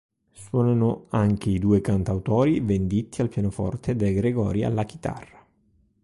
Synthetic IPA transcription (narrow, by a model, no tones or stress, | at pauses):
swɔːnanoaŋk̟eid̪uːekant̪awt̪ɔːɾivend̪it̪ːialpjanofɔ̰rt̪ed̪elɡɾeɡɔ̰ːɾia̰lːak̟i̥t̪a̰rːa